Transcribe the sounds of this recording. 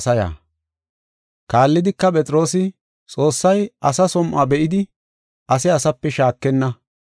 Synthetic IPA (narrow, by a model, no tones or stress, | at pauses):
sɐja̰ː | kaːlːɪd̪ɪkːɐpʼɛt͡sʼɾo̞ːs̬ɪ | t͡sʼo̞ːsːɐjɐsɐsɔmʔabɛʔɪd̪ɪ | ʔɐsɪɐsɐpːɛʃaːkːɛnːɐ